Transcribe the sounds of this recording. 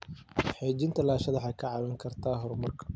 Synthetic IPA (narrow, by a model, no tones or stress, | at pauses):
ħɛːt͡ʃɪnt̪ʰɐlaːʃɐðɐħɑːkʰɐʕɑβɐŋkʰɐrt̪ʰaːɦɔrmɐrkʰɐ̥